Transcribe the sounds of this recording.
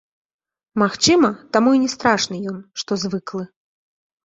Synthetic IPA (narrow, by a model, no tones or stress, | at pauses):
maxt͡ʂɨmɐt̪amuinʲɛst̪ɾaʂnɨjɔnʂt̪ɔzvɨklˠɨ